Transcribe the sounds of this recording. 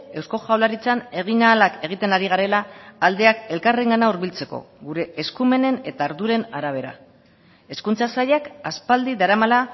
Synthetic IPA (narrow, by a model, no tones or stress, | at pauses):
e̞wsko̞xawlaɾit͡sane̞ɣ̞inaːlake̞ɣ̞it̪e̞naɾiɣ̞aɾe̞laːld̪e̞ake̞lkare̞ŋɡanauɾβilt͡se̞ko̞̰ | ɣuɾe̞ːskume̞ne̞ne̞t̪aːɾðuɾe̞naɾaβ̞e̞ɾa̰ | e̞skunt͡sasaʎakaspald̪iðaɾamala